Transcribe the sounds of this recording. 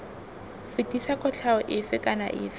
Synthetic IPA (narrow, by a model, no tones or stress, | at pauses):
fɪtʼisakʰɔt͡ɬʰaʊʔɪfɪkʼana̰ʔɪ̰ːfɪ